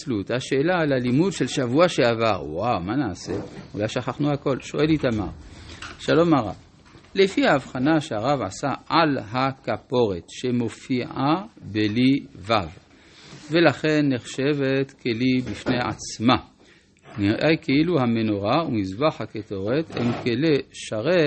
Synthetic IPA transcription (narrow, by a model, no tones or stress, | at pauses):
lut̪aʃeːlalalimudʃelʃavuaʃeavaʁwawmanaaseulajʃaχaχnuhako̞lʃoʔelitama̰ʁʃalo̞maʁa̰v | lefihaːvχanaʃeaʁavʕa̰saalɦakapo̞ʁe̞t̪ʃe̞mo̞fiʔabelivav | velaχe̞nːeχʃe̞vet̪kʰelibifnea̰t͡sma | niʁʔejkʰeiluhameno̞ʁaumizbaħhaketo̞ʁet̪hḛmkeleʃaʁe